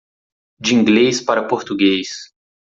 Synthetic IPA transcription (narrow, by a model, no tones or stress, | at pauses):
d͡ʒɪĩŋɡlejspaɾɐpoɾt̪uɡejs